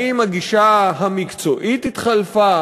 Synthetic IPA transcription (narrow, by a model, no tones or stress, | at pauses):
imaɡiʃaɦamikt͡so̞ʔit̪it̪χalfa